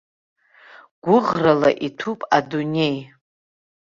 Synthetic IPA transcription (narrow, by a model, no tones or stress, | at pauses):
ɡ̥ʷʊʁrala̰ʔitʰupʼadunʲe̞j